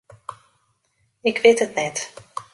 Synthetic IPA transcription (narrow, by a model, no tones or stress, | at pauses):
ɪkʋɪtɦətnɛt